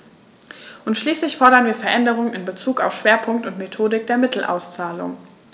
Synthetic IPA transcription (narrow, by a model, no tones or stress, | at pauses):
ʔʊntʃliːslɪçfɔɐɾɐnviːɐfɛɐʔɛndəʁ̞ʊŋənɪnbət͡suːka̰ʊfʃv̥eːɐpʰʊŋk̚tʊntmetʰoːdɪk̚d̥eːɐmɪtl̩ʔa̰ʊst͡saːlʊ̰ŋ